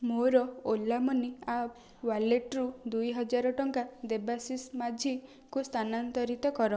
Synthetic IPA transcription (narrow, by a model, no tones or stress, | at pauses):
moɾɔolːamɔnia | waleʈɾud̪ujɦɔd͡ʒaɾɔʈɔŋkad̪ebasismad͡ʒʱi | kust̪ʰanant̪ɔɾit̪ɔkɔɾɔ